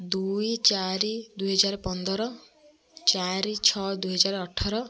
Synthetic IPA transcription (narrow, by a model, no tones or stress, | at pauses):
d̪ujt͡ʃaɾid̪uɦɔd͡ʒaɾɔpɔnd̪ɔɾɔ | t͡ʃaɾit͡ʃʰɔd̪ujɦɔd͡ʒaɾɔːʈʰaɾɔ